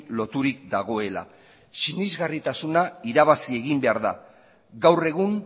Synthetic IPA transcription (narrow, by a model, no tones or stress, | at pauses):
lo̞t̪uɾikd̪aɣ̞o̞e̞la̰ | sinizɣarit̪asunaiɾaβasie̞ɣimbe̞aɾða̰ | ɡawre̞ɣ̞uŋ